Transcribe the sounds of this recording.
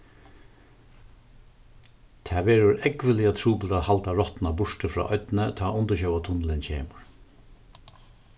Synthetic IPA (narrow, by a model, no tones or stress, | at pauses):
t̪ʰɛːʋɛːɾʊɾɛkʋɪliat̪ʰɹuːpɪlt̪ahalt̪aɹɔt̪nabʊʂʈəfɾɔ̰ːʔɔt̪nət̪ʰɑːʔʊnt̪əɕœwat̪ʰʊnlɪnt͡ɕʰeːmʊɹ